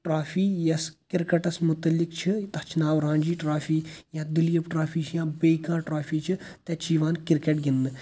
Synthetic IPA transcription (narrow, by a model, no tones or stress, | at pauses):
ʈɾaːfʰiːjɐskɪɾkɐʈɐsmʊt̪ːɐlːɪkt͡ʃʰit̪ɐt͡ʃʰinaːwɾãːnʲd͡ʒiːʈɾaːfiːjãːd̪ɪljɐpʈɾaːfʰiːt͡ʃʰjãːbəjkãːʈɾaːfʰiːt͡ʃʰit̪ɛt͡ʃiːʋaːnkɪɾkeʈɡɪnd̪ɨ